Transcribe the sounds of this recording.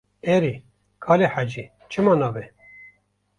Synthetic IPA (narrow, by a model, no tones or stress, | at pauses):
ɛɾi | kʰɑːleħad͡ʒi | t͡ʃʰɨmɑnɑːvɛ